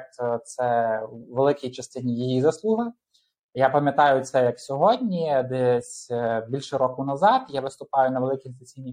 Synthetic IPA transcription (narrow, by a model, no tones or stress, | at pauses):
t̪t̪sɛʋelˠɪkʲɪjt͡ʃɐst̪ɪnʲijijizɐslˠuɦɐ | japɐmʲjɐt̪ɑjʊt̪sɛjɐksʲɔɦɔdʲnʲid̪ɛsʲbʲilʲʃɛɾɔkʊnɐzɑt̪jaʋɪst̪ʊpɑjʊnɐʋelˠɪkʲizɐt͡sʲinʲi